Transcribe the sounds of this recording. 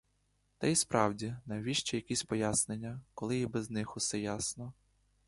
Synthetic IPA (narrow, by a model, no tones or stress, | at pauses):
t̪ɐispɾɑwdʲinɐjʋʲiʃt͡ʃɛjɐkʲisʲpɔjasnenʲːɐkɔlˠɪibɛznɪxʊsɛjasnɔ